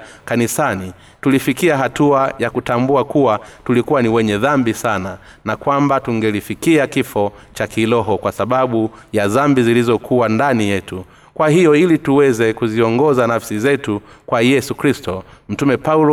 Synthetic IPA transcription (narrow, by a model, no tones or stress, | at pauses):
kanisani | tulifikiaɦatuajakutambuakuwatulikuwaniwɛɲɛðambisana | nakwambatuŋɡɛlifikiakifɔ | t͡ʃakilɔɦɔkwasaɓaɓujaðambizilizɔkʰuwandanijɛtu | kwaɦijɔilituwɛzɛkuziɔŋɡɔzanafsizɛtu | kwajɛsukɾistɔm̩tumɛpaulɔ